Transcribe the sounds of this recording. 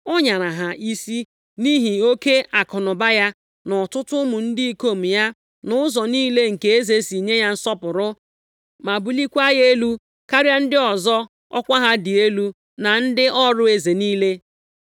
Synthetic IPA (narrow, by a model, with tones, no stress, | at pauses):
ɔ˦ɲa˨ɾa˨ɦa˨ʔi˦si˦ | ni˦ɦi˨o˦ke˦a˨kɔ˨nɔ˨ba˦ja˦ | nɔ˨tʊ˦tʊ˦mʊ˨n̩˦dɪ˦i˦ko˦˨m̩˨ja˦ | nʊ˦ʊ˦zɔ˨niː˦le˦ŋ̩˨ke˨e˦ze˨si˨ɲe˦ja˦n̩˦sɔ˦pʊ˨ɾʊ˦ | ma˨bu˦li˦kʷa˦je˦lu˦ | ka˦ɾja˦n̩˦dɪ˦ɔ˨zɔ˦ | ɔ̰˦kʷa˦ɦa˦dɪ˨e˦lu˦ | na˨n̩˦dɪ˦ʔɔ˦ɾʊ˦e˦ze˨niː˦le˦